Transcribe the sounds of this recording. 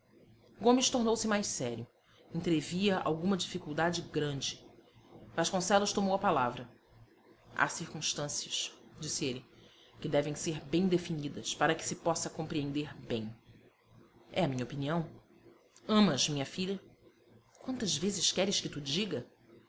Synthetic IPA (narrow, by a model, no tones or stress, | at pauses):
ɡõmɪʃt̪oɾnowsɪmajssɛɾjʊ | ẽnt̪ɾeviɐʔa̰wɡũmɐd͡ʒifikuwd̪ad͡ʒɪɡɾɐ̃d͡ʒɪ | vaʃkõsɛlʊʃt̪omowɐpalavɾɐ | a̰siɾkũʃt̪ɐ̃siɐʃd͡ʒisɪelɪ | kɪd̪ɛvẽj̃seɾbẽj̃d̪efinid̪ɐspaɾɐkɪ̥sɪpɔsɐkõmpɾiẽnd̪eɾbẽj̃ | ɛɐmĩɲɐopiniɐ̃w̃ | ɐ̃mɐzmĩɲɐfiʎɐ | kwɐ̃nt̪ɐzvezɪʃkɛɾɪʃkɪt̪ud͡ʒiɡɐ